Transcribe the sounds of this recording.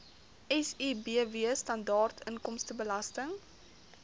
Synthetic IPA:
ʔɛsiːbiəviəstɐndɑːrtʰənkɔmstəbəlɐstəŋ

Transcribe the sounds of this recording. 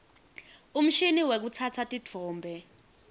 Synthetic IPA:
um̩ʃiniwek̬ut͡sʰat͡sʰatʼid͡v̥ʰʱɔːmbʱɛ

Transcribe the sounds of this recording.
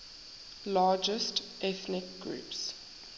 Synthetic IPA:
lɑːd͡ʒəst | ʔɛθnɪk̚ɡɹṵːps

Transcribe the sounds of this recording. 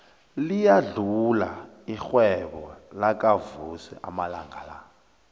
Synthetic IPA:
lijaɮula | ixwɛɓɔlak̬ʼavusɛ̰ʔamala̰ŋɡʱala

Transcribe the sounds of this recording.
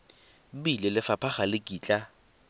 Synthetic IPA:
bilɪlɪfapʰaχalɪkʼiːt͡ɬʼa

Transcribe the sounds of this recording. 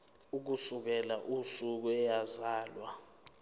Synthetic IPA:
uk̬usuk̬ɛlaʔusuk̬uɛjazaːlwa

